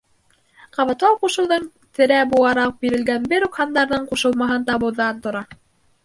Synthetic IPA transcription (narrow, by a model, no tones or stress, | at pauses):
qɑβɑ̆t̪lˠɑwquʃɤ̆wðɤɴ | t̪ɘ̆ɾæbulˠɑɾɑq̚biɾɘ̆lɡænbɘɾʉkhɑnd̪ɑɾðɤɴquʃɤ̆lˠmɑɦɤnt̪ɑβɤ̆wðɑnt̪ŏɾɑ